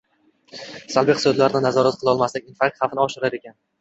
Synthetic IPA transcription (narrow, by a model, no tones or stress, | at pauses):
salˠbiqsod̪laɾnɪnazɒɾat̪̚qʰɨlˠɒlˠmaslɪkʲinfak̚t̪χafɪnɪɒʃɪɾaɾe̞kʲʰan